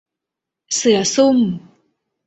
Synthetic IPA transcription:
sɨjasum

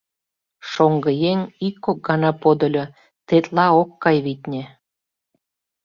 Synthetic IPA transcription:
ʃoŋɡə̆jeŋikːok̚ɡɑnɑpod̪ŏlʲo | t̪et̪lɑokːɑjβit̪ʲnʲĕ

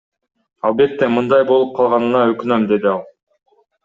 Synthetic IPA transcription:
ɑlˠbe̞t̪ːe̞mɯnd̪ɑjbo̞lˠup̚qʰɑlˠʁɑnɯnɑøkynømd̪e̞d̪iɑlˠ

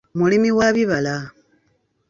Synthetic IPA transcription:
mulimiwaβiβala

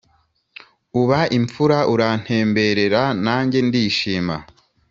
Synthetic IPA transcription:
uβaʔiɱfuɾaʔuɾan̥he̞ːmbe̞ɾe̞ɾanaːɲɟe̞ndiːʃiːma̰

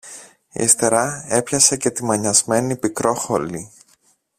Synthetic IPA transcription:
ḭest̪e̞ɾɐe̞pçɐse̞ce̞t̪imɐɲɐzme̞nipikɾo̞xoli

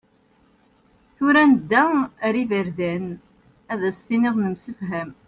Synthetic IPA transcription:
θʊɾænəd̪ːæɾivəɾðæn | æðæst̪iniʁnəmsəfɦæm

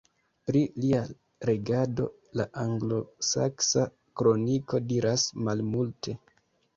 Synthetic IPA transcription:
pɾilia | ɾe̞ɡado̞̰ | laʔaŋɡlo̞sa̰ksa | kɾo̞niko̞diɾasmalmultʰe̞

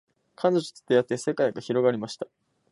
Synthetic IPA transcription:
kʰãnd̪oʑo̥t͡sɨ̥t̪ːejat̪ːese̞kaiɡaçiɾo̞ɡaɾʲimaɕi̥t̪ḁ

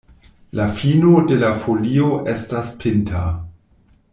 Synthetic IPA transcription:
lafinode̞lafolioʔestaspʰɪntʰa

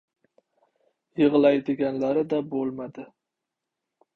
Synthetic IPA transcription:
jɨʁlˠajd̪ɪɡʲanlaɾɪd̪abolˠmad̪ɪ

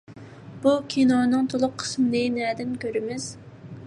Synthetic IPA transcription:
b̥ukʲʰinɑnɨŋt̪ʰolˠʊqʰːə̥smɪlɨnɛːd̪ɪnkʲʰøɾɪmɪz̥

